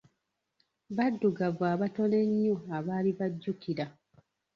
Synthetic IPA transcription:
βadːuɡavaːβato̞ne̞ɲːuaβaːliβaɟːukiɾa

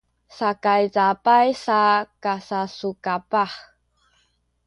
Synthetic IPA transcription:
sakajzapajsakasasukapaχ

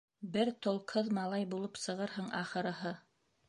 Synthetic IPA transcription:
bɘɾt̪ŏlˠqhɤðmɑlˠɑjbulˠɤpsɤ̆ʁɤɾɦɤɴʔɑχɤ̆ɾɤ̆ɦɤ

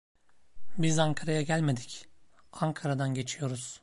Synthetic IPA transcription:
bizaŋkʰaɾajaɟælʲme̞d̪i̥c | aŋkʰaɾad̪anɟe̞t͡ʃʰijo̞ɾuz̥

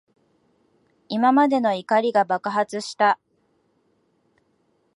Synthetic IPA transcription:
imamad̪e̞no̞ikaɾʲiɡabakɯɦat͡sɨɕi̥t̪a

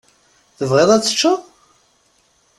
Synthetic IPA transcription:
θəvʁeðˤæt͡sːə̥t͡ʃːə

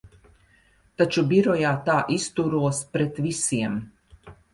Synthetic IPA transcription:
t̪at͡ʃubʲiɾɔjaːt̪aːʔist̪uɾuɔspɾɛt̪visiɛm

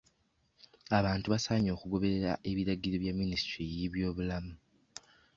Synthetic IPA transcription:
aβaːntuβasaːɲo̞ːkuɡo̞βe̞eɾa̰ʔe̞βiɾaɟiɾoβjamːinisi̥tɾijiβjo̞ːβulamu

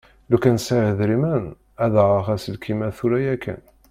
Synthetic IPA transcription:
lukænsæʕəðɾimæn | æðʁəχæsəlkʰimæθuɾæjækʰːə̰n

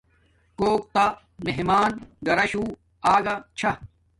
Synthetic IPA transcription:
koːk̚t̪a | meɦmaːnɡɐɾɐɕuː | aːɡɐt͡ɕʰɐ

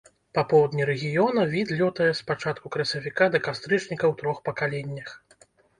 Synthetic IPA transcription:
papɔwd̪nʲiɾɛɣʲijɔnɐvʲid̪lʲɔt̪ɐjɛspat͡ʂat̪̚kukɾɐsʲɐvʲikad̪ɐkast̪ɾɨt͡ʂnʲikɐwt̪ɾɔxpɐkalʲɛnʲːɐx

